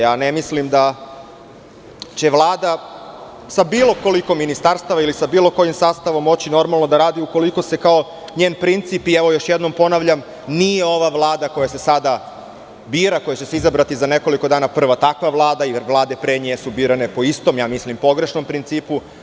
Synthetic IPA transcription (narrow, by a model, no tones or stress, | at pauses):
jaːnemislimd̪a | t͡ɕe̞ʋlˠaːd̪a | sabiːlˠo̞ko̞liko̞mːinist̪aɾst̪aʋailisabiːlo̞ko̞jimsaːst̪aʋo̞mːo̞t͡ɕino̞ɾmalˠno̞d̪aɾaːd̪iuko̞liko̞se̞kao̞ | ɲeːnpɾint̪sipieʋo̞jo̞ʃjed̪no̞mpo̞naʋʎam | nijeo̞ʋaʋlˠaːd̪ako̞jase̞sad̪a | biːɾako̞jat͡ɕe̞seizabɾat̪izane̞ko̞likod̪aːnapr̩ʋat̪akʋaʋlˠaːd̪aiʋlˠaːd̪e̞pɾeɲesubiːɾane̞po̞ist̪o̞mjaːmislimpo̞ɡɾe̞ʃno̞mpɾint̪siːpu